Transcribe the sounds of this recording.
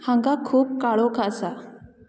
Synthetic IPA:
haŋɡakʰuːb̚kaɭɔkʰaəsa

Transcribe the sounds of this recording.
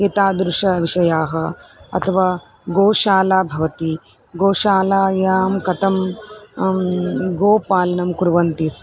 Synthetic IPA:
et̪aːd̪ɾuʂɐʋiʂɐjaːɦɐɐ̰t̪ʰɐʋaː | ɡoːʃaːlaːbʱɐʋɐt̪i | ɡoːʃaːlaːjaːmkɐt̪ɐm | ɡoːpaːlɐnɐmkuɾʋɐnt̪is

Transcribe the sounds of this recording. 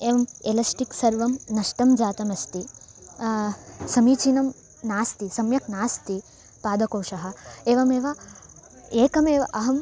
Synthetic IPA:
eːʋɐmelɐsʈiksɐɾʋɐmnɐʂʈɐmd͡ʒaːt̪ɐmɐst̪i | sɐmiːt͡ʃinɐm | naːst̪isɐmjɐknaːst̪i | paːd̪ɐkoːʂɐɦɐ̆eːʋɐmeːʋɐ | eːkɐmeːʋʔɐɦɐm

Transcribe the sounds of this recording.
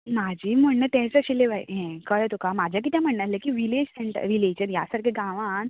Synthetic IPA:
mad͡ʑʱiːm̤əɳnət̪ɛ̃t͡saɕileʋaj̰ɦɛ̃kəjɛt̪okamad͡ʑʱjak̬it̪ʰjãm̤əɳnalekiʋiled͡ʑseɳʈə̰ɾileɕənja̰saɾkʰeɡãʋan

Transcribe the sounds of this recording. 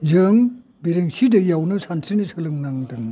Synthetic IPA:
zɯŋ | beɾeŋsidɯjawnɯsʰantʰɾinɯsʰɯlɯŋnaŋdɯŋ

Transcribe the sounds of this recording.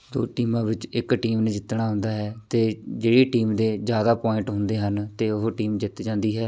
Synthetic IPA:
d̪o̰ːʈiːmãːbɪt͡ʃɪkʈiːmnẽːd͡ʒɪt̪ɳaːɦʊ̃nd̪aːɦɛːt̪eːd͡ʒeːɽiːʈiːmd̪eːd͡ʒjaːd̪aːpɔːɪ̃ɳʈɦʊ̃nd̪eːɦənt̪eːʊɦʈiːmd͡ʒɪt̪d͡ʒãːnd̪iːɦɛː

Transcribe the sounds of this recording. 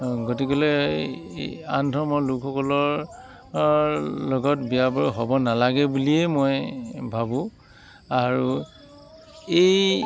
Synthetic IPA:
ɡotikɔle | antɔmɔlukʰːɔkɔlɔɹ | lɔɡɔtbijabɔɹɦɔbɔnalaɡɛbuliɛmojbʱabʊ̃ | aɹu | ej

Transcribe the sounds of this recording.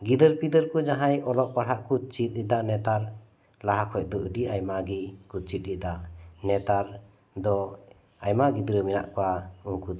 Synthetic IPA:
ɡid̪əɾpid̪əɾkud͡ʒaɦajɔlɔʔpaɽaʔkut͡ʃit̪̚nid̪anɛt̪aɾ | laɦakʰɔjc̚d̪ɔʔəɖiajmaɡikut͡ʃit̪̚ˀɾid̪anɛt̪aɾ | d̪ɔ | ajmaɡid̪əɾəmina̰ʔkɔwauŋkud̪

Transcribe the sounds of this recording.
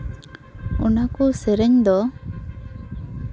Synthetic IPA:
unakusɛɾɛɲd̪ɔ

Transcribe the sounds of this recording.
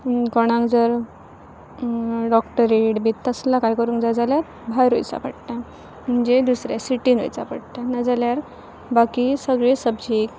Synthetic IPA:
kɔɽ̃ãŋkd͡zəɾ | ɖɔkʈəɾeɽbit̪t̪əslakajkəɾũːŋkd͡zad͡zaljat | bʱajɾo̰jt͡sa̰pəɽt̪a | m̤əɳd͡ʑed̪usɾjasiʈino̰jt͡sapəɽt̪anad͡zaljaɾ | bakisəɡɭesəbd͡ʑʱiːk

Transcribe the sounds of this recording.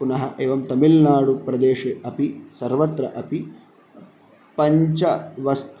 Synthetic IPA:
unɐɦɐʔeːʋɐmt̪ɐmilnaːɽupɾɐd̪eːʂeʔɐpisɐɾʋɐt̪ɾɐʔɐpi | pɐɲt͡ʃɐʋɐst̪

